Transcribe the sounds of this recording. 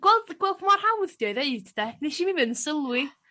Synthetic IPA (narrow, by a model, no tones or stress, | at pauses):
ɡ̥wɛlˠdɡ̥wɛlˠχmɔrhawðd̥jɔɨðeɨdʰd̥ɛneʃimivɨnsəlˠwi